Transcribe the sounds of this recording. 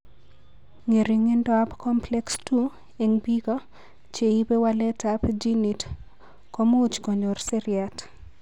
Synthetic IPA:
ŋe˨ɾiŋe˦ndɔabkɔmplɛkstu | eŋbi˦ɡɔ˦ | t͡ʃe˨i˦be˦walɛ˦tapd͡ʒini˨t | komo˦t͡ʃkɔ˨ɲɔ˨rse˦ɾjat

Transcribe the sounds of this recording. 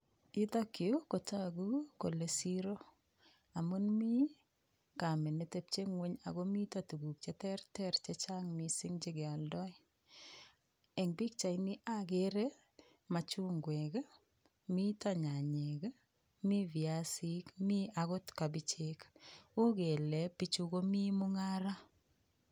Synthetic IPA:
i˦da˦kːi˨o˦ko˨ta˦ɡu˦ko˨le˨siɾo˦ | a˨mu˦nmi˦ | ka˨me˨ne˨te˦p̚t͡ʃe˦ŋwe˦ɲa̰˨ɡɔmi˦tatu˨ɡu˨k̚t͡ʃɛtɛ˦ɾtɛɾt͡ʃɛt͡ʃa˦ŋmisɪ˦ŋd͡ʒe˦ɡa˨ldɔ˦j | ɛ˨ŋbi˦k̚t͡ʃa˨jnɪ˦ʔa˦ɡeɾe˦ | ma˨t͡ʃu˦ŋɡwe˨ɡ | mi˦taɲa˨ɲe˨ɡ | mi˦vja˦si˦kmi˦a˨ɡɔ˦tka˨bi˦t͡ʃe˦ku˦ɡe˨le˨pi˦t͡ʃu˦ɡo˦mi˦mʊ˦ŋa˦ɾa˦

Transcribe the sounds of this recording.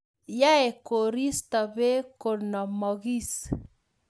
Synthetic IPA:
ja˦e˨ko˨ɾi˦st̪a˨βe˦ko˨nɔ˨mɔ˨ɣi˦s

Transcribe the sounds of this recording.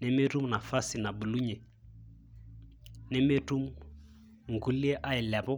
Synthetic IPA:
ne˦me˦ru˦m˨na˨fa˦si˨na˨bu˨lu˦ɲɛ˨ | ne˦me˦tu˦mu˦ | ŋ̩˨ɡu˦li˦ɛ˦ʔa˦ɪ˨la˨bɔ˦

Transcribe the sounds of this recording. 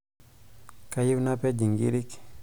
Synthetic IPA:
ka˦ji˦wna˦pɛ˦d͡ʒi˨ŋɡḭ˦ɾi˦k

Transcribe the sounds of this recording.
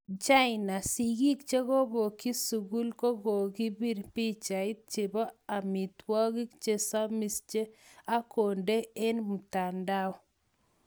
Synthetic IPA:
t͡ʃa˦ɪ˨na˨si˨ɡi˦kt͡ʃe˦ɣo˦bo˨ki˦su˨ɡu˦lko˦ɡo˨ɡi˦bi˦ɾpi˦t͡ʃa˨ɪ˦t̪̚t͡ʃɪ˨bɔ˦a˨mɪ˨t̪wɔ˦ɡi˦kt͡ʃe˦sa˦mi˨st͡ʃe˦a˦ko˨nde˦e˦nmu˨ta˨nda˦ɔ˦

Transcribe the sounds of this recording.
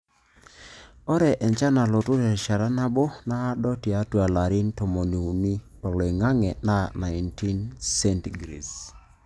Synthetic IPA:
ɔ˦ɾɛ˨ʔɛ˨ɲt͡ʃa˦na˨lɔ˨tʊ˦ɾɛ˨ʃa˨ɾa˦na˦bo˦na˦dɔ˦ti˨a˦twa˨la˨ɾi˦ntɔ˨mɔ˨ni˨u˨ni˦ | ɔ˨lɔ˨i˨ŋa˦ŋɛ˨na˦na˨ɪnti˦nsɛ˦nti˨ɡɾḭ˨s

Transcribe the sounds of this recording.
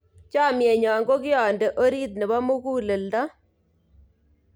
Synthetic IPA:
t͡ʃa˦˨mje˨ɲɔ˨ŋɡo˦kɪ˦ɔ˨nde˨ʔo˦ɾi˦t̪̬nɛ˨bɔ˦mu˦kuː˦lɪ˨ldɔ˦

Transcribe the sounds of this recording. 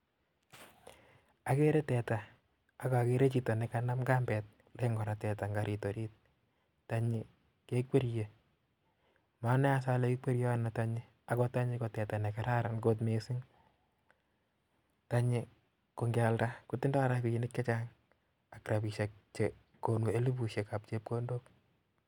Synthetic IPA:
a˨ke˦ɾe˦tɛtaː˨ | kɔ˨ke˦ɾe˦t͡ʃita˨nɛka˦na˦mka˦mbɛt̚ | leŋɡɔ˨ɾa˨tɛ˨ta˨ŋɡa˨ɾʔi˨to˨ɾi˦t̚ | ta˦ɲɪ˦ | ke˦k̚we˦ɾje˨ | ma˦nɛ˦a˦s̬a˦le˦kɪ˦ke˦ɾjɔ˦a˦na˨ta˦ɲɪ˦ | a˦kɔ˦ta˦ɲɪko˨tɛ˨ta˨nɛ˨ka˨ɾa˦ɾa˨nko˦t̬me˨sɪ˦ŋ | ta˦ɲɪ | ko˨ŋɡa˨lda˦ku˦tɪ˦nda˦ɾa˦ki˨inɪ˦kt͡ʃa˦t͡ʃa˦ŋ | a˨kɾa˨pi˨ʃe˨k̚t͡ʃe | ko˨nwe˦li˦pu˨ʃje˨ka˨p̚t͡ʃe˦p̚ko˦ndo˦k

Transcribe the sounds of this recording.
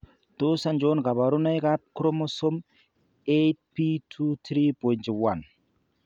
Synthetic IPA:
tosa˦nd͡ʒonɡa˨ba˨ɾu˦na˦jkap̚kɾo˦mosom | et̚pitʰut̪ɾi˦pɔ˨jntwa˨n

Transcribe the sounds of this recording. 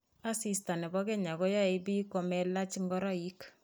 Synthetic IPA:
a˦si˨sta˨nɛ˨bɔ˦kɛ˦ɲa˨ɡɔ˦ja˦e˨˦bi˦kɔ˨mɛ˦la˦t͡ʃi˦ŋɡɔ˦ɾɔ˦i˦k

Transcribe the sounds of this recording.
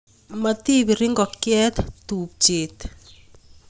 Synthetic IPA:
ma˨t̪i˦βi˨ɾɪ˦ŋɡɔ˨kjɛ˦t̪tu˨p̚t͡ʃeː˨t̪

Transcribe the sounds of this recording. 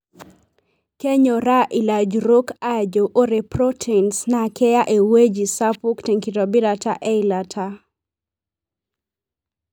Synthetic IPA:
ke˦ɲo˨ɾa˦ʔi˨la˨d͡ʒɾo˦ka˦d͡ʒo˨ʔo˦ɾe˨prɔ˦tʰɛnsna˨kɛ˦ja˦ʔe˨we˦d͡ʒi˨sa˦pu˦kte˨ŋki˨tɔ˨bi˦ɾata̰ʔɛ˦ilatʰa˦

